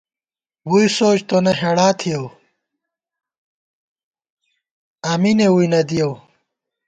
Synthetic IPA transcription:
wuisoːt͡ɕt̪onɐɦeɽaːt̪ʰijɐw | aːminewujnɐd̪ijɐw

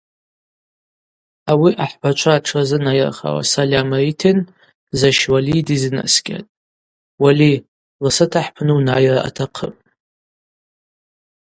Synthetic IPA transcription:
awiʔaħb̥at͡ʃʷʰaʈ͡ʂʰazɨnajra̰χa̰wa̰salʲamaitʰen | zaʃwalidizɨna̰sɡʲʼa̰tʼ | wali | lasatʰaħpʰnɨwnajraʔa̰tʰaqʰə̰pʼ

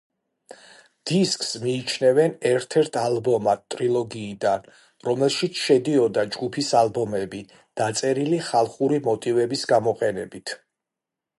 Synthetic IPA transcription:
d̪̥iskʼsmiːt͡ʃʰnɛvɛnɛɾt̪ʰɛɾt̪ʰalˠbɔmat̪̚t̪ʼɾilˠɔɡiːd̪an | ɾɔmɛlˠʃit̪sʰʃɛd̪iɔd̪ad͡ʒɡupʰisalˠbɔmɛbi | d̪̥at̪sʼɛɾiliχalˠχuɾimɔt̪ʼivɛbisɡamɔqʼɛnɛ̰bit̪ʰ

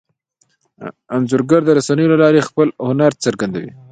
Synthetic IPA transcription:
anzʊɾɡaɾd̪əɾasanəjolalɑɾexpəlhʊnaɾt͡səɾɡand̪awḭ

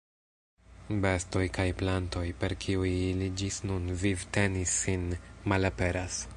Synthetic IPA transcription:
be̞sto̞jkajplanto̞jpe̞ɾkʰiujlid͡ʒisnunvivte̞nisːinmalape̞ɾas

